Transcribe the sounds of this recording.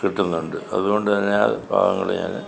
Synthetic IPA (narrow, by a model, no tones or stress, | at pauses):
kiʈːunːuɳɖɨɐðuɣo̞ɳɖɨt̪ɐnːeabʱa̰ːɣɐŋːɐɭḛɲa̰ːn